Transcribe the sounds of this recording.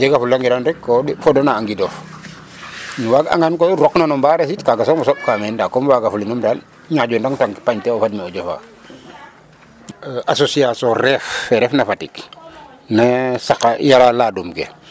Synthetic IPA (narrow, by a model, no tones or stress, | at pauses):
d͡ʒɛɡafulːaŋɡidanɾɛkːɔfɔdɔnaːŋɡidɔf | nuwaɡa̰ŋankoɾɔknanɔmbaɾes̬itkaɡasɔmusɔp̚kamɛndakːɔmwaɡafulinumdal | ɲaɟundaŋtaŋkpaɲtɛɔfadmɛɔɟofa̰ | ʔasosiasɔ̃ɾɛfɛɾɛfnafatik | nasakajaɾalaːdumkḛ